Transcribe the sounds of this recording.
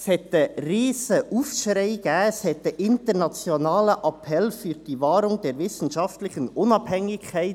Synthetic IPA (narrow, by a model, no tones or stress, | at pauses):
shɛtəreːsəʔuːfʃɾaɪɡ̥æːshɛt̪əʔɪntəʁnɑt͡sjonɑːləʔɑpʰɛlfyːɾd̥iːvɑːɾʊŋd̥eːɾvɪsn̩ʃɑftlɪçənʔʊnɑbhɛŋɪkʰːaɪ